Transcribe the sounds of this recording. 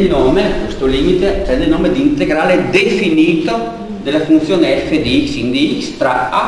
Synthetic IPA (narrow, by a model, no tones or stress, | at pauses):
lnoːmekwest̪oliːmit̪epɾɛnd̪elnoːmed̪iːnt̪eɡɾaːled̪efiniːt̪o | d̪elafunt̪sjoːneɛfːed̪iiksind̪iikst̪ɾaa